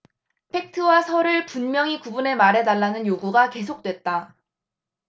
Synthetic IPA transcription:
pʰe̞k̚tʰɯwasʰʌɾɯɭpunmjʌŋikubune̞maɾe̞daɭːanɯnjoɡuɡake̞sʰok̚t͈we̞t̚t͈a

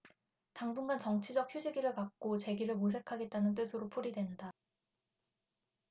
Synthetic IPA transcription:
taŋbuŋɡant͡ɕʌŋt͡ɕʰid͡ʑʌk̚çjud͡ʑiɡiɾɯɭkak̚k͈ot͡ɕe̞ɡiɾɯɭmos̬ʰe̞kʰaɡe̞t̚t͈anɯnt̬͈ɯsʰɯɾopʰuɾidwe̞nda

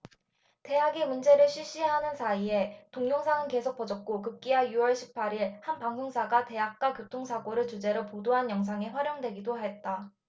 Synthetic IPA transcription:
te̞ɦaɡemund͡ʑe̞ɾɯɭɕʰɥiɕ͈ieɦanɯnsʰaie̞toŋɲjoŋsʰaŋɯnke̞sʰok̚p͈ʌd͡ʑʌk̚k͈okɯp̚k͈iajuʌɭɕʰi̥p̚pʰaɾiɭhanpaŋɡoŋsʰaɡate̞ɦak̚k͈wakjotʰoŋsʰaɡoɾɯɭt͡ɕud͡ʑe̞ɾopodoɦanjʌŋs̬ʰaŋeɸwaɾjʌŋdwe̞ɡidoɦet̚t͈a

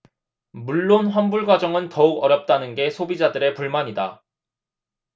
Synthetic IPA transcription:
muɭːonɸwanbuɭɡwad͡ʑʌŋɯntʌuɡʌɾjʌp̚t͈anɯnɡe̞sʰobid͡ʑadɯɾe̞puɭmaɲida

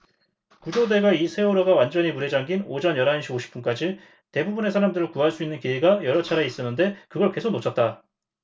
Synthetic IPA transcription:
kud͡ʑode̞ɡaisʰe̞oɾʌɡawand͡ʑʌɲimuɾe̞d͡ʑaŋɡinod͡ʑʌnjʌɾɦanɕʰiboɕʰi̥p͈unk͈ad͡ʑi | te̞bubune̞s̬ʰaɾamdɯɾɯɭkuɦaɭs͈uinːɯnkieɡajʌɾʌt͡ɕʰaɾeis͈ʌnːɯnde̞kɯɡʌɭke̞sʰok̚not͡ɕʰʌt̚t͈a

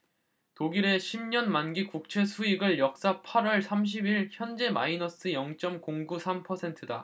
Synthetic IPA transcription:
toɡiɾe̞ɕʰimɲʌnmanɡikuk̚t͡ɕʰe̞sʰuiɡɯɭjʌk̚s͈apʰaɾwʌɭsʰamɕ̬ʰibiɭçjʌnd͡ʑe̞ma̰inʌs͈ɯjʌŋt͡ɕ͈ʌmkoŋɡusʰampʰʌsʰe̞ntʰɯda̰

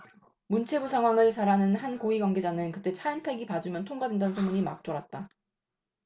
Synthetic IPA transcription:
munt͡ɕʰe̞busʰaŋɦwaŋɯɭt͡ɕaɾɦanɯnhankoiɡwaŋɡe̞d͡ʑanɯnkɯt͈e̞t͡ɕʰaintʰaɡipad͡ʑumjʌntʰoŋɡadwendanɯnsʰomuɲima̰k̚t͈oɾat̚t͈a

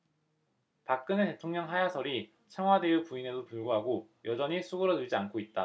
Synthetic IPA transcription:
pak̚k͈ɯnete̞tʰoŋɲʌŋɦajasʰʌɾi | t͡ɕʰʌŋɦwade̞jupuine̞dopuɭɡuɦaɡojʌd͡ʑʌɲisʰuɡɯɾʌdɯɭd͡ʑiankʰoit̚t͈a

